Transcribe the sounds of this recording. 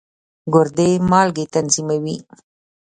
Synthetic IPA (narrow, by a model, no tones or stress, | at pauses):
ɡʊɾd̪emɑlɡet̪anzimawi